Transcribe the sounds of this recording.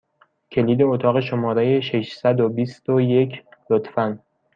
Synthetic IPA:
cʰe̞liːd̪e̞ot̪ʰɒːɣe̞ʃo̞mɒːɾejeʃeʃsæd̪obist̪oje̞cʰlot̪fæn

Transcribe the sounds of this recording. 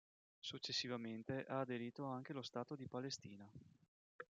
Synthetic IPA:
sut͡ʃːesːivament̪eʔaːd̪eɾiːt̪oaŋk̟elost̪aːt̪od̪ipalest̪iːna

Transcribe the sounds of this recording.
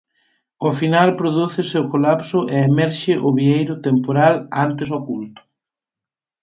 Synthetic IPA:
ʊfinalpɾoðuθɪseʊkolapsʊʔeemɛɾʃɪʔʊβiejɾʊt̪empoɾalant̪ɪsokult̪ʊ̥

